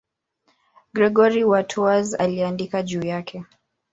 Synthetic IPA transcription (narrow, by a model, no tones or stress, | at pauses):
ɡɾɛɡɔɾiwatʰuaza̰liandikaʄuːjakʰɛ